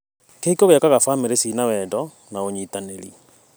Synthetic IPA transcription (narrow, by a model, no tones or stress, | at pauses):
keikoɣɛkaɣafaːmeɾesinawɛdɔ | naoɲitaneɾḭ